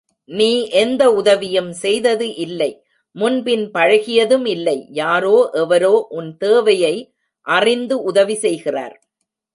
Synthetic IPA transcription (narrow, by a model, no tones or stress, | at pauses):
niːʔɛnd̪ɐʊðɐʋɪjɐmsɛjðɐðɯʔɪlːɐɪ | mʊnbɪnpɐɻɐɣɪjɐðɯmɪlːɐɪjaːɾoːʔɛʋɐɾoːʔʊnt̪eːʋɐjɐɪ | ʔɐrɪnd̪ɯʔʊðɐʋisɛjɣɪra̰ːɾ